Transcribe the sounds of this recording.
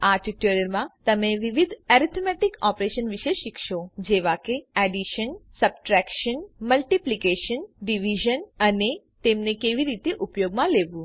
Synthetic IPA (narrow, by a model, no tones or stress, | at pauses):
aɾʈiʈəɾəɾmãt̪əmeʋiʋid̪ʱɛɾit̪ʰmɛʈikɔpɾeʃənʋiʃeʃikʰʃod͡ʒeʋakeɛɖiʃənsəb̚ʈɾɛkʃənməlʈiplikeʃənɖiʋiʒənəne | t̪emnekeʋiɾit̪eʔupjoɡmãleʋũ